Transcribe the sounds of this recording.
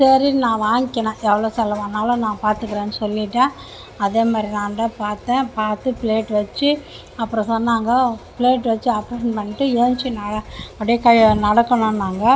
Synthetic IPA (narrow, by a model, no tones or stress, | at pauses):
sɐɾinãːʋaːŋɡɪkːɐnãːʔɛʋːɐɭoːsɛlɐʋanːaːlɐ̃nãːpaːɾt̪ɯkːɯɾẽːnɯsɔlːɪʈːã | ɐðeːmaːd̪ɾinaːnɖɐpaːɾt̪ẽːpaːɾt̪ɯpɪleːʈʋɐt͡ʃːɯ | ɐpːɯɾɔ̃sɐnːaːŋɡɐpleːʈːʋɐt͡ʃːɯɐpɾesɐnpɐɳːɪʈːɯeːɲt͡ʃɯnɐɽɐɐɽjɐkɐjnɐɽɐkːɐɳõnaːŋɡɐ